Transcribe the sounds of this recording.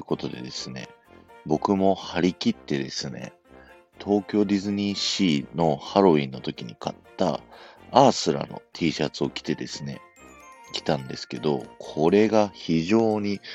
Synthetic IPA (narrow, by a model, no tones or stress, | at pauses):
ɯko̞t̪o̞d̪e̞̰d̪e̞sɨne̞̰ | bo̞kɯ̟mo̞haɾʲikʲit̪ːe̞d̪e̞sɨne̞̰ | t̪ʰo̞ːkʲo̞ːd̪ʲizɨɲ̟iɕiːno̞haɾo̞ĩnːo̞t̪o̞kʲiɲ̟ikʰat̪ːa̰asɨɾa̰no̞̰t̪ʰiːɕat͡sɨo̞kʲi̥t̪e̞d̪e̞sɨne̞̰ | kʲi̥t̪ãnd̪e̞sɨ̥ke̞d̪o̞kʰo̞ɾe̞ɡaçiʑo̞ːɲ̟i